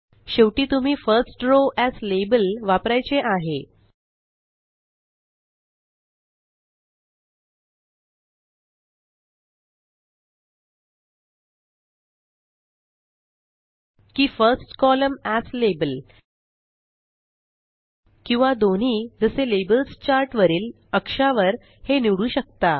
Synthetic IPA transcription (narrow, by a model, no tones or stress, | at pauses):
ɕewʈiːt̪um̤iːfəɾsʈɾoʔæslebəlʋapɾajt͡seʔaɦe | kiːfəɾsʈkɔləmæslebəl | kĩw̃ʋad̪on̤iːd͡zəselebəlst͡ɕaɾʈʋəɾiːl | əkʂaʋəɾ | heniɽuːɕək̚t̪a